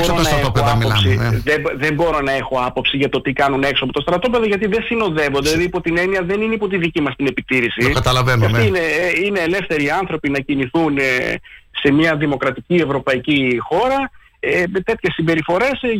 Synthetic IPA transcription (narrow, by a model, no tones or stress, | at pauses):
boɾonɐeopɐmosiðeðe̞mbo̞ɾo̞nɐe̞xoɐpo̞psiʝɐt̪o̞t̪ikɐnune̞ksoɐpot̪o̞st̪ɾɐt̪o̞peðo̞ʝɐt̪iðe̞sino̞ðe̞vo̞nd̪eɐðipo̞t̪ine̞niɐðe̞nineipo̞t̪iðicimɐst̪ine̞pit̪iɾisikɐt̪ɐlɐvenɐfiineine̞ːle̞fθe̞ɾiːɐnθɾo̞pinɐciniθun | se̞mɐðimo̞kɾɐt̪icie̞vɾo̞pɐicixo̞ɾɐ | emet̪e̞t̪çe̞sːimbe̞ɾifo̞ɾe̞s